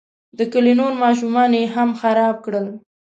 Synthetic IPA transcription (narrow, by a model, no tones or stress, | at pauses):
d̪əkəlenoɾmɑʃ̬umɑnjeɦamxaɾɑb̚kɽəl